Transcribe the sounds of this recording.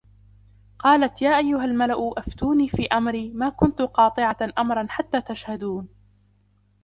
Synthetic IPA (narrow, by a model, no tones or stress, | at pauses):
qɑːlat̪jaːʔajːʊɦalmalaʔʊʔaft̪uːniːfiːʔamɾiːmaːkʊnt̪ʊqɑːt̪ˤɨʕaʔamɾˤɑnħat̪ːaːt̪aʃhad̪uːn